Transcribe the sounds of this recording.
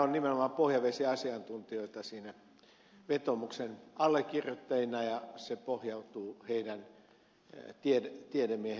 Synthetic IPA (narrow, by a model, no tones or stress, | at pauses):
onnimenomɑpohjɑʋesiɑsiɑnt̪unt̪ioit̪ɑsiːnæ | ʋet̪omuksenɑlːekːirjot̪ːɑjinɑjɑsepohjɑut̪uːheidæn | t̪iedt̪iedemːiehe